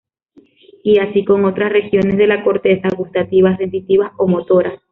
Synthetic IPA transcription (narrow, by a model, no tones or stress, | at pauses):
iasiko̞ŋo̞t̪ɾasre̞xjo̞ne̞sðe̞lako̞ɾt̪esaɣust̪at̪iβasre̞nt̪it̪iβaso̞mot̪o̞ɾas